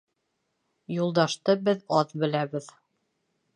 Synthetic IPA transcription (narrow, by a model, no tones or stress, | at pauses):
julˠd̪ɑʃt̪ɤbɘðɑðbɘ̆læβɘð